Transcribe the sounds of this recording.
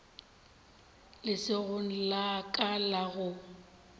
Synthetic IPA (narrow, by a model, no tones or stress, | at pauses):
lɪsɪɣʊn̩lakʼalaɣʊ